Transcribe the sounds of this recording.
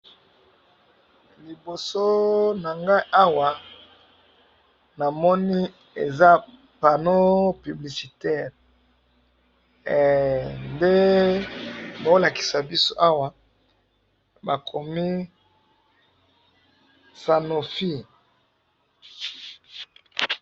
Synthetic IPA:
li˨bo˨so˦na˨ŋɡa˦i˦ʔa˦wa˨ | na˨mɔ˦ni˦ | ḛ˨za˦ | pa˨no˦py˨bli˨si˨tɛ˦˨ʁ | nde˦ | ba˨˦la˨ki̥˨sa˨bi˦so˦ʔa˦wa˦ | ba˨kʰo˨mi˦ | sa˨no˨fi˦

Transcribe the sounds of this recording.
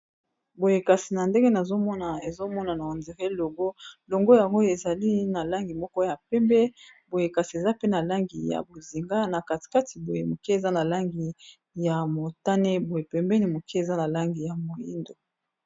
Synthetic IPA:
bo˨je˨ka˨si˨na˨nde˦ɡe˦na˨zo˦mɔ˦na˨e˨zo˦mɔ˦na˨na˨o˨nze˨ʁe˦lo˨ŋɡo˦lo˨ŋɡo˦ja˨ŋɡo˦e˨za˨li˦na˨la˦ŋɡi˨mɔ˦kɔ˦ja˨pɛ˦mbɛ˦bo˨je˨ka˨si˨e˨za˦pe˦na˨la˦ŋɡi˨ja̰˨bo˨zi˨ŋɡa˦na˨ka˨ti̥˨ka˦ti˨bo˨je˨mo˨ki˦e˨za˦na˨la˦ŋɡi˨ | ja˨mo˨ta˦ne˦bo˨je˨pɛ˨mbɛ˦ni˨mo˨ki˦e˨za˦na˨la˦ŋɡi˨ja˨mo˨ji˦ndo˨

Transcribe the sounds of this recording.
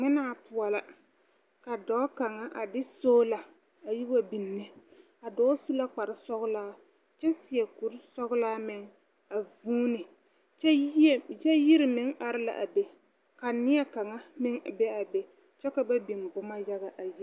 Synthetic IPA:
ŋ͡mɪ˦naː˦˨pʊ˨a˨la˨ | ka˨dɔː˦ka˨ŋa˦ʔa˨dɪ˦soː˦la˨ | a˨ji˦wa˦bi˨nːɨ˦ | a˨dɔː˦su˦la˦k͡pa˨ɾɪ˨sɔ˦ɣʊ˦laː˦ | t͡ʃɛ˦sɪ˨ɛ˨ku˨ɾɪ˦sɔ˦ɣʊ˦laː˦mɪ˨ŋ | a˨vuː˦nɪ˨ | t͡ʃɛ˦jɛ˦jɪ˦ɾɪ˨mɪ˨˦ŋa˨ɾɪ˦la̰˨ʔa̰˨bɛ˨ | ka˨nɪ˦ɛ˦ka˨ŋa˦mɪ˦ŋ˨bɛ˦a˨bɛ˨ | t͡ʃɛ˦ka˨ba˦bi˨mbʊ˦ma˦ja˦ɣa˨ʔa˨ji˦

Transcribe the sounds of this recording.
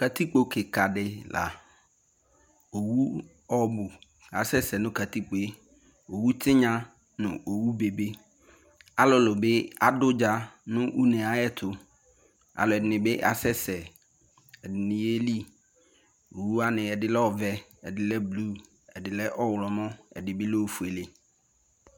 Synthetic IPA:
ka˨tʰi˦k͡po˨kʰɪ˨ka˨dɪ˨la̰˨ | o˨wu˦ | ɔ˦bʊ˨ | a˨sɛ˦sɛ˨nʊ̃˦ka˨ti˦k͡po˨e˦ | o˨wu˦tʰɪ˦ɲã˦ | nʊ̰̃˨o˨wu˦be˨be˦ | a˦lɔ˨lʊ˨bɪ˦a˦dʊ˦d͡ʒa˦nʊ̃˦ʔu˦nɛ̃˨a˨jɛ˦tʰʊ˨ | a̰˨lʊ˨ɛ˨dɪ˨nɪ̃˨bɪ˦ʔa̰˨sɛ˦sɛ˨ | ɛ˨dɪ˨nɪ̃˨je˦li˦ | o˨wu˦a˦nɪ̃˨ɛ˨dɪ˦lɛ˦ɔ˦vɛ˦ɛ˨dɪ˦lɛ˦blu˦ | ɛ˨dɪ˨lɛ˦ʔɔ˦wlɔ˨mɔ̃˦ɛ̰˨dɪ˨bɪ˦lɛ˦o˦fu˨e˨le˨

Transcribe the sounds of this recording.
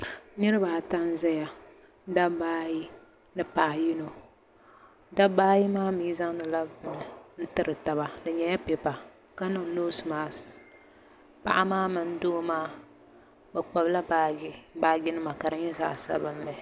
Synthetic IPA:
nɨ˦ɾɨ˦baː˨ta˦n˦zɛ˦ja˨ | da˦baː˦ji˦ | nɨ˦pa˨ʔa˨ji˦no˨ | da˦baː˦ji˦maː˦miː˦za˦ŋ˦nɨ˨la˦bnɨ˨n̩˦tɨ˦ɾɨ˨ta˨βa˨dɨ˨ɲɛ˨ja˦pe˨pa˨ | ka˦nɨ˨ŋ˨noː˦smaː˦sɨ˨ | pa̰˨ʔa˦maː˦mɨ˨n˦doː˦maː˦˨ | bɛ˨k͡pa˨bla˦ba˨˦baː˨ɡɪ˦nɨ˦ma˨ka˨ɾɨ˦ɲɛ˦za̰˨ʔsa̰˦bɨ˦mː˦ɛ˨

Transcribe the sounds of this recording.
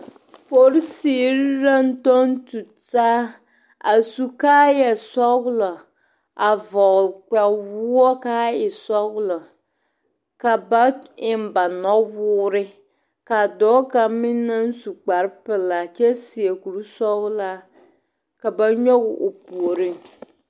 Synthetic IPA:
po˨ɾɪ˦siː˨˦ɾɾa˦n˦to˦n˦tu˨taː˦ | a˨su˨ka˦jɛ˨sɔ˦ɣlɔ˨ | a˨vɔ˨k͡pɛ˨wʊ˦ɔ˦kaː˦ɪ˨sɔ˦ɣlɔ˨ | ka˨ba˦ɪ˨mba˨nɔ˦wʊː˦ɾɪ˦ | ka˨dɔː˦ka˨mɪ˦na˦n̩˦su˨k͡pa˨ɾɪ˦pɪ˨la˨t͡ʃɛ˦si˨e˨ku˨ɾsɔ˦ɣla˦ | ka˨ba˦ɲɔ˦ɣʔo˨pu˨o˨ɾi˦ŋ

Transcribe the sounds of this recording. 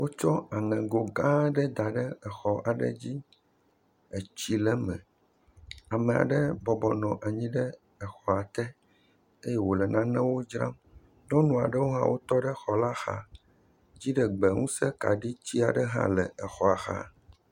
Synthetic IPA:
wo˦t͡ʃɔ˦a˨ŋɛ̃˨ɡo˨ɡã˦ɖə˦d̪a˨ɖə˦ɛ˨xɔ˨ʔa˨ɖə̰˦d͡ʑi˦ | ɛ˨t͡ɕi˦lɛ˦mɛ̰̃˨ | a˨mẽ˨a̰˨ɖə˦bɔ˨bɔ˨nɔ̃˨ʔa˨ɲĩ˦ɖə˦ | ɛ˨xɔ˨a˨t̪ɛ˦ | e˦jɛ˦wo˨lɛ˨nã˦nɛ̃˦wo˦d͡ʒɾã˦m | ɲɔ̃˦nũ˨a̰˨ɖə˦wo˦ɦã̰˦wo˦t̪ɔ˦ɖə˦xɔ˨la˦xa̰˨ | d͡ʑi˦ɖə˨ɡ͡bɛ˨ŋũ˦sɛ˦ka˨ɖi˦t͡ɕi˦a̰˨ɖə˦ɦã̰˦lɛ˨ɛ˨xɔ˨a˨xa̰˦˨

